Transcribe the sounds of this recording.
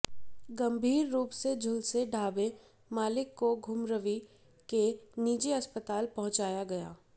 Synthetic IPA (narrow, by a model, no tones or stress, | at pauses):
ɡɐ̃mbʱiːɾːuːpsed͡ʒʱʊlseɖʱaːbe | maːlɪkːoɡʱʊmɾəʋi | keniːd͡ʒeɐspət̪aːlpɐɦʊ̃t͡ʃaːjaɡɐja̰ː